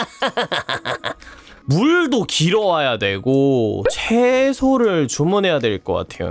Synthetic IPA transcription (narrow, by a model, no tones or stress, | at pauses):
muɭdokiɾʌwajadwe̞ɡot͡ɕʰesʰoɾɯɭt͡ɕomunɦe̞jadweɭk͈ʌk͈a̰tʰe̞̰jo̰